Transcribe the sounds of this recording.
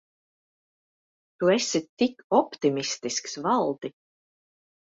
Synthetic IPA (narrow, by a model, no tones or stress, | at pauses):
t̪uesʲit̪ikɔpt̪imist̪isksvalˠd̪i